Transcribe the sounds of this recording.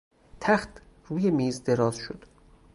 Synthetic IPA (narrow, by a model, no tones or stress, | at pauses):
t̪ʰæxt̪ʰ | ruːjemiːzd̪eɾɒːz̥ʃod̪̥